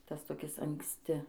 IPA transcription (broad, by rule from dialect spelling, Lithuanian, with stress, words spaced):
ˈtɐs toːˈkʲɪs ɐŋksʲˈtʲɪ